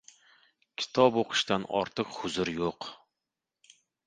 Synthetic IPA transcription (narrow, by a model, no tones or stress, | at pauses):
kʲʰɪ̥t̪ʰɒboqʰɨ̥ʃt̪anɒ̰ɾt̪ʰɨqhʊzʊɾjoq